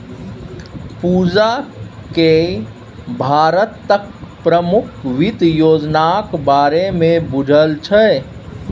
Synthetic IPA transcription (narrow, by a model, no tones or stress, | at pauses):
puːd͡ʒake | bʱaːɾət̪ːək̚pɾəmʊkʰʋɪt̪joːd͡ʒnakbaːɾemẽbʊd͡ʒʱəlt͡ʃʰɛ